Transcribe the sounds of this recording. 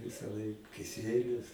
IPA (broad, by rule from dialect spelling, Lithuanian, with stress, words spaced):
ʋʲɪsɐˈlˠɐɪk kʲɪˈsʲiɛlʲʊs